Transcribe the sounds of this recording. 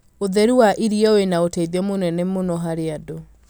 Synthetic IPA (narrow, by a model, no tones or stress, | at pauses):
oðɛɾuwaʔiɾiɛoenaoteðɛmonɛnɛmonɔɦaɾeado